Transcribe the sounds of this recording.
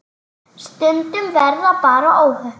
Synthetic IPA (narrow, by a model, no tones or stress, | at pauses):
st̪ʏnt̪ʏmvɛɾðapaːɾaʔoːwhœ